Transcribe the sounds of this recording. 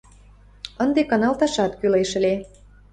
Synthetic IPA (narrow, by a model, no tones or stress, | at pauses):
ənd̪ekɑnɑlt̪ɑʃɑt̪kyleʃə̆le